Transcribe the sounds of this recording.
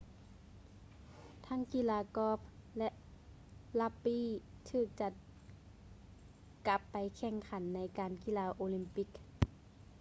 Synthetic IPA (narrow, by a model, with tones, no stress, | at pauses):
t̪ʰa˧˥ŋki˧˥laː˧kɔː˧˥p̚lɛ˧ʔ | la˧pːiː˧˥˩t̪ʰɯː˧˩k̚t͡ɕa˧˩ | ka˧˦pːa˨˩jkʰɛ˧˩ŋkʰa˨˦nːa˧˥jkaː˨nki˧˨laː˧ʔoː˧li˧˥mpi˧˦k̚